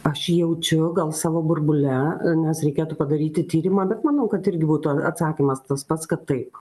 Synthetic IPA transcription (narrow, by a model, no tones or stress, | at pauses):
ɐʃjɛʊt͡ʃʲʊɡɐlˠsɑːʋoːbʊrbʊlʲɛnʲɛsɾʲɛɪkʲeːt̪uːpɐd̪ɐɾʲiːt̪ʲɪt̪ʲiːɾʲɪmɑːbʲɛt̪mɐnɐʊkɐt̪ɪɾʲɡʲɪbuːt̪ʊɐɐ̰t̪sɑːkʲimɐst̪ɐspɐt̪skɐt̪ːɐɪp